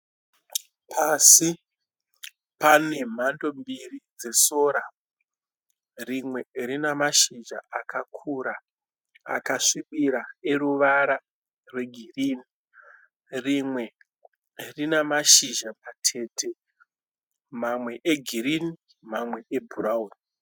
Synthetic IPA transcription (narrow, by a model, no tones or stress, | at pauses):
pʰasi | pane̞m̤ando̞mbirid͡ze̞so̞ːɾa | rimwe̞rinamaʃiʒa̰akakʰuɾa | a̰kaʂiɓiɾae̞ruʋaɾa | rwe̞ɡʱiriːni | rimwe̞ | rinamaʃiʒapatʰe̞ːtʰe̞ | mamwe̞ʔeɡʱiɾini | mamwe̞ebʱurauːni